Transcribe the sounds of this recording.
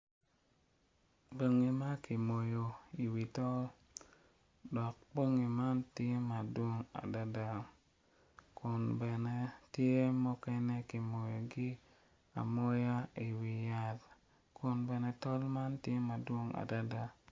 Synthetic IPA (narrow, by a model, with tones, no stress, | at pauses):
bo˨ŋi˨ma˦ki˨mo˨jo˨i˨wi˨tɔ˦l | dɔ˨k̚po˦ŋi˨ma˦ntje˦ma˨dwo˦ŋa̰˨da˦da˨ | kʊ˨nbɛ˨nɛ˦tje˦mɔ˦kɛ˦nɛ˦ki˨mo˨jo˨ɡɪ˦ | a̰˨mo˦ja˦i˨wi˨ja˦˨t | kʊ˨nbɛ˨nɛ˨tɔ˦lma˦ntje˦ma˨dwo˦ŋa̰˨da˦da˨